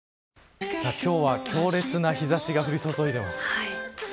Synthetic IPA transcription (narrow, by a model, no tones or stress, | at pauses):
sakʲo̞ːβakʲʰo̞ːɾe̞t͡sɨnaçizaɕiɡaɸɯ̟ɾʲiso̞zo̞id̪e̞masɨ̥